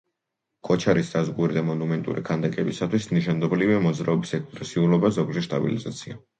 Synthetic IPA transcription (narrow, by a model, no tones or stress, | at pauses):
kʼɔt͡ʃʰaɾisd̪azɡuɾid̪amɔnumɛnt̪ʼṵɾikʰand̪ɛkʼɛbisat̪ʰwisniʃand̪ɔbliviamɔd̪zɾaɔbisɛkspʼɾɛsiulɔbazɔɡd͡ʒɛʃt̪ʼa̰bḭlizat̪sʰia